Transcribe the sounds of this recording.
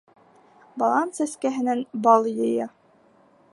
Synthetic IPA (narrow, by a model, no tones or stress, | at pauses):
bɑlˠɑnt̪sæskæɦɘ̆nænbɑlˠjɤ̆jɑ